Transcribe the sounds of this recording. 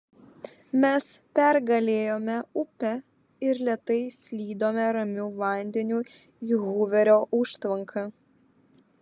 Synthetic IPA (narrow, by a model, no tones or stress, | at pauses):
mʲɛspʲɛɾɡɐlʲeːjoːmʲɛʊpʲɛ | ɪɾlʲɛt̪ɐɪsʲlʲiːd̪oːmʲɛɾɐmʲuːʋɐnʲd̪ʲɛnʲuː | iːɣuːʋʲɛɾʲoːʔʊʃt̪ʋɐŋkʰɐ